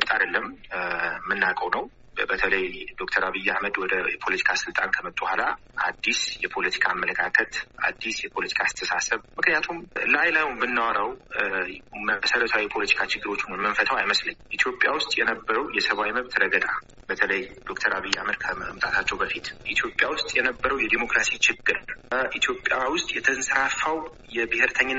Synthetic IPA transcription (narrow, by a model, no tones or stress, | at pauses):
t̪ʼad̪əlːəmː | ɨnːakʼəwnəw | bət̪ʰələjd̪ok̚t̪ʰəɾaβɨjːahməd̪wɔd̪əjɛpʰolət̪ʰi̥kʰasɨlt̪ʼankʰəmət̪ʼːuhʷala | ʔa̰d̪ːisjɛpʰo̞lət̪ʰi̥kʰaːmːələkʰakʰət̪a̰d̪ːisjɛpʰo̞lət̪ʰi̥kʰaːst̪ʰəsasəβmɨknijat̪ʰumlajlajumbɨnːawɔɾəw | məsələt̪ʰawjɛpʰo̞lət̪ʰi̥kʰat͡ʃɪɡːɨɾo̞t͡ʃːunməɱfət̪ʰəwajməsləɲːʔit̪ʰjo̞pʼːjawʊst̪ʼjɛnəbːəɾəwjɛsəβawjməβt̪ɾəɡəd̪ʼa | bət̪ʰələjd̪o̞kt̪ʰəɾaβɨjːa̰məd̪kʰəmt̪ʼat̪ʰat͡ʃːɛwbəfit̪ʔit̪ʰjo̞pʼjawʊst̪ʼjɛnəbːəɾəwjɛd̪emo̞kɾasit͡ʃɪɡːɨɾʔit̪ʰjo̞pʼjawʊst̪ʼjɛt̪ʰənsɨɾafaw | jɛbɨhɪɾt̪ʰəɲːɪ